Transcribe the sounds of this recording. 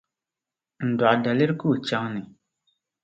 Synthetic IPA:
n̩˨da˨ʔda˨lɪ˦ɾku˦˨t͡ʃa˦ŋnɪ˨

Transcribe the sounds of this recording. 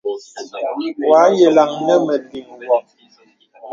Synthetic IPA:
wa˨˦jɛ˨la˨ŋnə˦mə˨di˨ŋwɔ˨

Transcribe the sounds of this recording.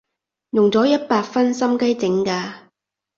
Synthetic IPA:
jʊ˨ŋt͡sɔː˨˥jɐ˥t̚paː˧k̚fɐ˥nsɐ˥mkɐ˥jt͡sɪ˨˥ŋkaː˧

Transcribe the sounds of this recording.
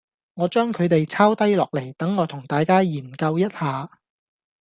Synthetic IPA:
ŋɔː˨˧t͡ʃœː˥ŋkʰɵ˨˧ɥt̪e˨jt͡sʰaː˥wt̪ɐ˥jlɔː˨k̚le˨˩jt̪ɐ˨˥ŋːɔː˨˧t̪ʰʊ˨˩ŋt̪aː˨jkaː˥jiː˨˩nkɐ˧wjɐ˥t̚haː˨˧

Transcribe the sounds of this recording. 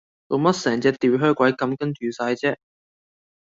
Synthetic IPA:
t̪o˨˧mɐ˥t̚sɛː˨˩ŋt͡sɛː˧t̪iː˨˧wɦœː˥kʷɐ˨˥jkɐ˨˧˥mkɐ˥nt͡ʃyː˨saː˧jt͡sɛː˥

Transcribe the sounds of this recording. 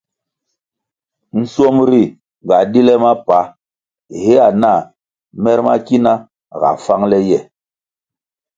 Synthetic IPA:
n̩˦sɔ˦mɾi˦˨ | ɡa˨di˦lɛ˦ma˦pa˦˨ | he˦a˨na˦˨ | mɛ˦ɾma̰˦ki˦na˦˨ | ɣa̰˨fa˦ŋlɛ˦jɛ˨

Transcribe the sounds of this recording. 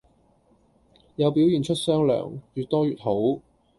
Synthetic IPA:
jɐ˨˧wpi˨˥wjiː˨nt͡ʃʰɵ˥t̚sœː˥ŋlœ̰ː˨˩ŋt͡ʃyː˨t̪ɔː˥jyː˨t̚ho˨˥w

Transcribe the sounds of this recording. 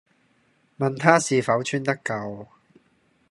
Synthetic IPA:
mɐ˨nt̪ʰaː˥siː˨fɐ˨˥wt͡ʃʰyː˥nt̪ɐ˥kɐ˨w

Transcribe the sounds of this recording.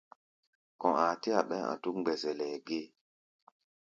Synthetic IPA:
kɔ̃˨a˨ti˦a˨ɓɛ˦ã̰˨tu˦kŋ͡mɡ͡bɛ˨zɛ˨lɛ˨ɡe˦

